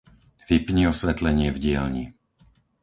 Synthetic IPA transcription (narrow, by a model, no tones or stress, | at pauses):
vipɲiɔsʋɛt̪lɛɲɪɛvɟɪɛlɲḭ